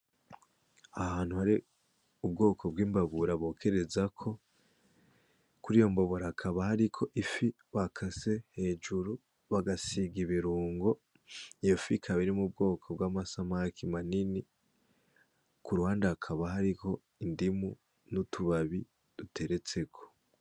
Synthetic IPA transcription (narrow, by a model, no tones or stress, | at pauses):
ahhaːn̥huhaɾi | ub̚ɡo̞ːkʰo̞bɡiːmbaβuɾaβo̞ːkʰe̞ɾe̞zakʰo̞ | kuɾijo̞mbo̞βoɾaːkʰaβahaɾikʰo̞ʔifi | βakʰase̞he̞ːd͡ʒuɾu | βaɡasiɡiβiɾuːŋɡo̞ | jefikʰaβaɾimub̚ɡo̞ːkʰobɡwaːmasamakimanini | kuɾuhaːndaakʰaβahaɾiko̞ | indimu | nutʰuβaβi | d̥utʰe̞ɾe̞t͡se̞kʰo̞̥